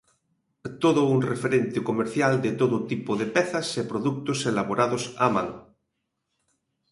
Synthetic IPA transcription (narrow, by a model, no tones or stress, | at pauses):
t̪oðounrefeɾent̪ekomeɾθjald̪et̪oðot̪ipoðepɛθasepɾoðuk̚t̪oselaβoɾaðosa̰ma̰ŋ